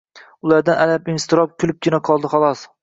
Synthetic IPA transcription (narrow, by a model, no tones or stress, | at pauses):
ʊlˠaɾd̪analapɪnst̪ɪɾɒp̚kʲʰʊlɪp̚kʲɪnaqʰɒlˠd̪ɪχɑlˠɒs